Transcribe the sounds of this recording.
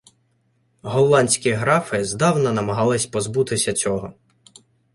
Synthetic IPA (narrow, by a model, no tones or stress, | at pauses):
ɦɔlˠlˠɑnʲsʲkʲiɦɾɑfɪzd̪ɑwnɐnɐmɐɦɑlˠɪsʲpɔzbut̪ɪsʲɐt͡sʲɔɦɔ